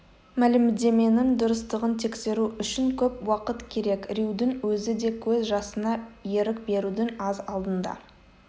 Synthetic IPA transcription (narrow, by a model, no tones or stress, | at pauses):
mælɪmd̪e̞me̞nɪŋd̪ʊɾəst̪əʁənt̪ʰe̞kse̞ɾuʏʃɪŋkʲʰɵpwɑqət̪kʲʰe̞ɾe̞kɾiwd̪ɪŋwɵzɪd̪e̞kʲʰɵzʒɑsənɑje̞ɾɪkbe̞ɾud̪ɪŋɑzɑlˠd̪ənd̪ɑ̰